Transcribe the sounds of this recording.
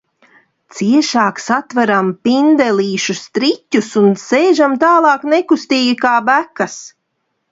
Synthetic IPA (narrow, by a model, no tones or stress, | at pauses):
t̪siɛʃaːksat̪vaɾampʲind̪ɛlʲiːʃust̪ɾitʲːusunsejʒamt̪aːlˠɑːknekust̪iːɡikaːbækas